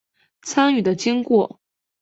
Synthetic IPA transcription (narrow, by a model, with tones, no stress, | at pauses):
t͡sʰa˥ny˥˩d̪ə˦t͡ɕi˥ŋkwɔ˥˩